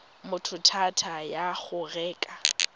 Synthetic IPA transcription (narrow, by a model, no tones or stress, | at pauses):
mʊtʰʊtʰatʰajaɣʊrɛːkʼa